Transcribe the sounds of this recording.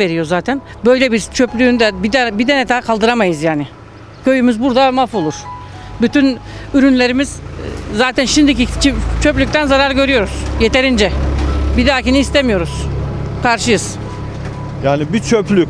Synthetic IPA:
e̞ɾijo̞zaːt̪ʰæn | bø̞jlʲebiɾt͡ʃʰøplʲyːnyd̪ɛbid̪bid̪enɛd̪ʰaːkʰalˠd̪ɯɾamajɯzjaːnɪ | cʰø̞jymyzbuɾd̪amafo̞lˠuɾ̥ | byt̪ʰynyɾynlʲe̞ɾimiz̥zaːt̪ʰænʃind̪icit͡ʃit͡ʃʰø̞plʲyc̚t̪ʰænzaɾaɾɟø̞ɾyjo̞ɾuz̥jet̪ʰe̞ɾind͡ʒɛbid̪aːciniːst̪ʰemijo̞ɾuz̥kʰaɾʃɯjɯz̥ | jaːnibit͡ʃʰøplʲycʲ

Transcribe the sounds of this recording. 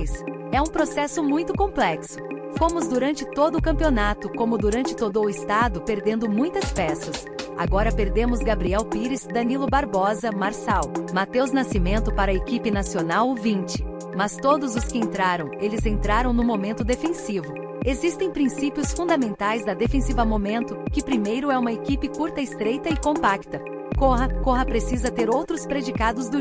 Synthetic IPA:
s | ɛũpɾosɛsʊmũj̃t̪ʊkõplɛksʊ̥fomʊzd̪uɾɐ̃nt͡ʃɪt̪od̪ʊkɐ̃mpionat̪ʊkõmʊd̪uɾɐ̃nt͡ʃɪ̥t̪od̪ʊːɪst̪ad̪ʊpeɾd̪ẽnd̪ʊmũj̃t̪ɐspɛsɐs | a̰ɡɔɾɐpeɾd̪ẽmʊzɡabɾiɛwpiɾɪzd̪ɐnilʊbaɾbɔzɐmaɾsawmat̪ewznasimẽnt̪ʊpaɾɐekipɪnasionawvĩnt͡ʃɪ̥ | mɐst̪od̪ʊzʊskɪẽnt̪ɾaɾɐ̃w̃elɪzẽnt̪ɾaɾɐ̃w̃nʊ̃momẽnt̪ʊd̪efẽsivʊ | ezist̪ẽj̃pɾĩsipiʊsfũnd̪amẽnt̪ajzd̪ɐd̪efẽsivɐmomẽnt̪ʊkɪpɾimejɾʊɛũmɐekipɪkuɾt̪ɐɪst̪ɾejt̪ɐɪkõpakt̪ɐ | koɦɐkoɦɐpɾesizɐt̪eɾowt̪ɾʊspɾed͡ʒikad̪ʊzd̪ʊ

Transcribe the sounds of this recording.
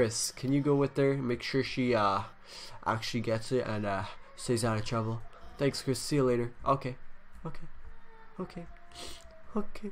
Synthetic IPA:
kʰɹ̥ɪskʰɨ̃njɨɡoʊwɪðə˞meɪkʃʊɹʃiʌ | ʔa̰k̚t͡ʃʉl̩ˠiɡɛtsɪtə̰̃nʌseɪzaʊɾətʰɹ̥ʌbəlˠθæ̃ŋkskʰɹ̥ɪsːileɪɾə˞ʔo̰kʰeɪoʊkʰeɪokʰeɪ | okʰe

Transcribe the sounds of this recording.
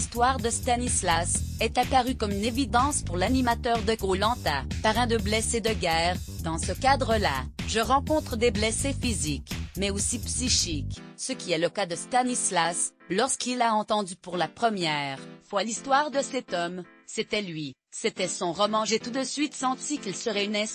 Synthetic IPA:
st̪waʁd̪əst̪anislasɛt̪apaʁykɔmynevid̪ɑ̃spuʁlanimat̪œʁd̪əɡolɑ̃t̪apaʁɛ̃d̪əblɛsed̪əɡʲɛːʁd̪ɑ̃səkad̪ʁəlaʒəʁɑ̃kɔ̃t̪χəd̪eblɛsefizikmɛosipsiʃiksəkʲiɛləkad̪əst̪anislas | lɔʁskilaɑ̃t̪ɑ̃d̪ypuʁlapχəmjɛːʁfwalist̪waːʁd̪əsɛt̪ɔmset̪ɛlɥi | set̪ɛsɔ̃ʁɔmɑ̃ʒet̪ud̪əsɥit̪sɑ̃t̪ikʲilsəʁɛynɛ̃

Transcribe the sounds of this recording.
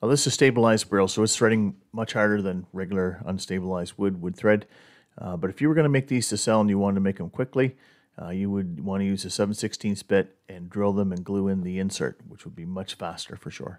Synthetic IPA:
ɛðɪsɨz̥steɪbəlaɪzd̚bɪlˠsoʊɨtsθɹɛɾɪ̃ŋ | mʌt͡ʃhɑɹɾə˞ðɨ̃nɹɛɡjl̩ˠə˞ə̰̃nsteɪbəlaɪzd̚wʊd̚wəd̪̚θɹɛd̚ | bʌɾɨfjɨwə˞ɡʌnəmeɪk̚ðiz̥tɨsɛl̃ˠnjɨwɑ̃ntəmeɪk̚ðə̃mkʰw̥ɪkli | jɨwəd̚wɑ̃nɨjʉzɨsɛṽn̩sɪkstʰĩnθb̥ɪɾ | ɨ̃ndɹɪlˠðə̃mɨ̃nɡluɪ̃nðiɪ̃nsɜ̰˞t̚wət͡ʃwəd̚bimʌt͡ʃfæstə̰˞fə˞ʃʊ̰ɹ

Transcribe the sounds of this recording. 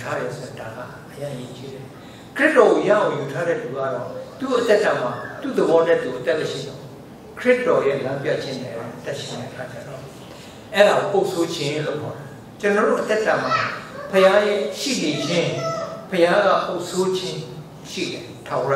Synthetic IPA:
utʰaɾɛsoãdãɡa̰ʔəjãʔjet͡ɕiɾɛ | kʰɹɪtːɔɣoja̰ʔãjutʰaɾɛ̰luɡa̰ɾɔt̪uʔət̪ɛtãm̥at̪ṵd̪əbɔnɛ̰t̪uʔət̪ɛʔməʃḭd̪ɔ | kʰɹɪtːɔjɛlãmpja̰t͡ɕʰɪ̃nɛ̰ʔãʔət̪ɛʔʃɪ̃nɛ̰ʔəkʰat͡ɕa̰ɾɔ | ʔɛɾaɣoʔoʊʔsʰod͡ʑʰɪ̃lopʰɔa | t͡ɕənɔɾo̰ʔət̪ɛtãm̥apʰəjajɛʃḭled͡ʑʰɪ̃pʰəjaɡa̰poʊʔsʰod͡ʑʰɪ̃ | ʃḭdɛtʰaɛ

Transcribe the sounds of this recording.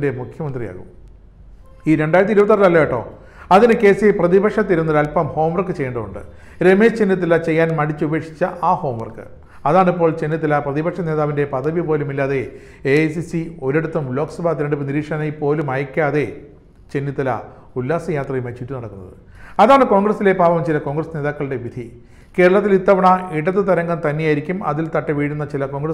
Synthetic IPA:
demukʰjɐmɐnd̪rija̰ːɣṵm | iːɾeɳɖaːjɾɐt̪ːiɾubɐt̪ːɐrlɐlːɐjiʈːo̞̰ː | ɐðinɨke̞ːsieprɐðibɐkʂɐt̪ːiɾunːɐɾɐlpɐmho̞ːmʋɐrkːɨt͡ɕejːɐɳɖɐðuɳɖɨ̰ | ɾe̞meːst͡ɕe̞nːit̪ːɐlɐt͡ɕe̞jːaːnmɐɽit͡ɕːɨube̞ːkʂi̥t͡ɕːɐaːho̞ːmʋɐrkɨ̰ | ɐðaːɳipːo̞ːɭt͡ɕe̞nːit̪̬ːɐlɐprɐðibɐkʂɐne̞ːðaːʋinde̞pɐd̪ɐʋipo̞ːlumilːaːðe̞ | esisio̞ɾeɽut̪ːɐmblo̞ːksɐbaːt̪̬iɾɐɳɖɨpːɨniɾiːkʂɐnɐjipo̞ːlumɐjɐkʲːaːðe̞ | t͡ɕe̞nːit̪ːɐlɐ̰ | ulːaːsɐjaːt̪rɐjumet͡ɕːiʈːunɐɽɐkːunːɐ̰ðɨ̰ | ɐðaːɳɨko̞ːŋɡrɐsile̞paːʋɐmt͡ɕilɐko̞ːŋɡrɐsneːðaːkːɐɭɨɽe̞ʋid̪ʱi | ke̞ːɾɐɭɐt̪̬ːilit̪ːɐʋɐɳɐiɽɐt̪ːɨt̪ɐɾɐŋɡɐnt̪ɐnːejaːjiɾikʲːumɐ̰ðilt̪ɐʈːɐʋiːɽunːɐt͡ɕilɐko̞ːŋɡrɐ

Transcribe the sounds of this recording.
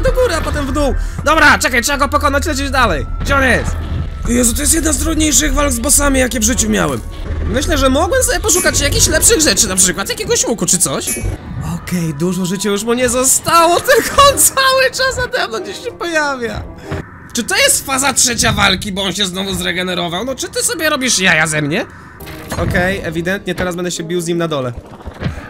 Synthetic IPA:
d̪ɔɡuɾɨapɔt̪ɛmvd̪uw | d̪ɔbɾat͡ʂɛkajtʂɛbaɡɔpɔkɔnat͡ɕlɛt͡ɕɛd͡ʑd̪alɛjɡd͡ʑɛɔnjɛst̪ | jɛzɔt̪ɔjɛst̪jɛd̪nazd̪ɾudɲejʂɘɣvalɡzbɔsamʲijakʲɛvʐɘt͡ɕumʲja̰wɛm | mɘɕlɛʐɛmɔɡwɛmsɔbʲɛpɔʂ̬ukat͡ɕjakʲiɕlɛpʂɘɣʐɛt͡ʂɘnapʂɘkwat̪jakʲɛɡɔɕmukut͡ʂɨt̪sɔɕɔkɛjd̪uʐɔʐɘt͡ɕɛjuʂmuɲɛzɔst̪awɔt̪ɪlɡɔt̪sawɘt͡ʂasnad̪ɛmnɔt͡ɕeɕɛpɔjavʲja̰ | t͡ʂɨt̪ɔjɛst̪fazatʂɛt͡ɕavalkʲibɔɔnɕɛznɔvuzɾɛɡɛnɛɾɔvawnɔt͡ʂɘt̪ɘsɔbʲjɛɾɔbʲiʂjajazɛmɲɛ | ɔkɛjɛvʲid̪ɛnt̪ɲɛt̪ɛɾazbɛnd̪ɛɕɛbʲiwzɲimnad̪ɔlɛ

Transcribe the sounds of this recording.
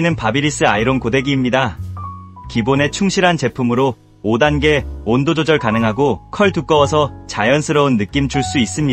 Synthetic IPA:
nɯnpabiɾis͈ɯaiɾonkode̞ɡiːmɲida | kibone̞t͡ɕʰuŋɕʰiɾɦant͡ɕe̞pʰumɯɾo | odanɡe̞ondod͡ʑod͡ʑʌɭkanɯŋɦaɡokʰʌɭtuk͈ʌwʌsʰʌt͡ɕajʌnsʰɯɾʌunːɯk͈imt͡ɕuɭs͈uis͈ɯmɲi

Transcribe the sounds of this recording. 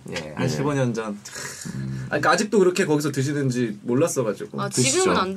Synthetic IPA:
jḛha̰nɕʰibʌɲʌnd͡ʑʌn | a̰ɲik͈aad͡ʑik̚t͈okɯɾʌkʰe̞kʌɡisʰʌtɯɕ̬ʰinɯnd͡ʑimoɭːas͈ʌɣad͡ʑḭɡ̥o̰t͡ɕtɯɕid͡ʑo

